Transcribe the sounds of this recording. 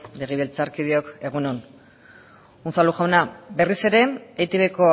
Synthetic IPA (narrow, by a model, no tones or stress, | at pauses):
leɣiβelt͡saɾkið̞io̞ke̞ɣunon | unsaluʝawnabe̞rise̞ɾe̞ejt̪eβeko̞